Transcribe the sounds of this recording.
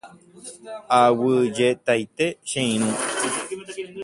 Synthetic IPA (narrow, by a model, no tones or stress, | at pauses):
awɨd͡ʒet̪ajt̪eʃẽĩɾ̃ũ